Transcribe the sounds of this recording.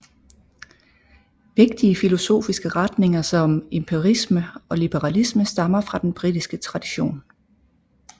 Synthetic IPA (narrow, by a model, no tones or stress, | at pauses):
ʋe̝ɡ̥̚d̥iəfilo̝so̝̰ːfisɡ̥əʁɑd̥ne̝ŋɐsɒ̽me̝mpʰeʁisməɒ̽lib̥əʁɑ̈lisməsd̥ɑ̈mɐfʁɑ̈d̥enb̥ʁid̥isɡ̥ət͡sʰʁɑ̈d̥iɕo̝̰ːn